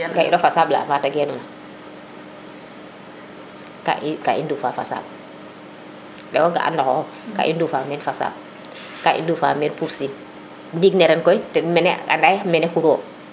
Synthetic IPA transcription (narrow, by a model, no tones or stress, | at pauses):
ɡaḭnofasaːbla̰mataɡɛnuna | ka̰ʔkaʔḭndufafasa̰ːb̚ | dɛ̰woɡa̰ʔa̰ndakɔ̰ | ka̰ʔindufaːmɛnfasa̰ːb̚ | kaʔḭndufamɛːnpuɾsin | diɡneɾɛnkɔjtɛmɛnɛa̰ndajmɛnɛkuɾoː